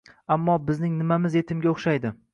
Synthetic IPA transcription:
amːɒbɪznɪŋnɪmamɪze̞t̪ʰɪmɡʲaoχʃajd̪ɪ

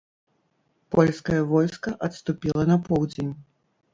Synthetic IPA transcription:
pɔlʲskɐjɐvɔjskɐʔɐt̪st̪upʲilˠɐnɐpɔwd͡zʲenʲ

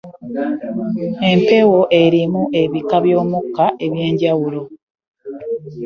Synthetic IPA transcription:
e̞mpe̞wo̞ʔe̞ɾimuʔe̞βikaβjo̞ːmukːaʔe̞βje̞ːɲɟawulo̞

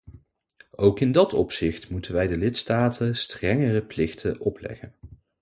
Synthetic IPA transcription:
owkɪndɑtɔ̰psɪχtmutənʋɛjdəlɪtstaːtʰənstrɛŋərəplɪχtʰənɔplɛ̰χən

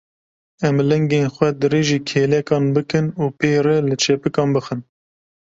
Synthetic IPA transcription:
ɛmlɛŋɡeːnxʷɛd̪ɨɾeːʒiːkʰeːlɛkɑːnbɨkɨnuːpeːɾɛlɨt͡ʃʰɛpɨkɑːnbɨxɨn

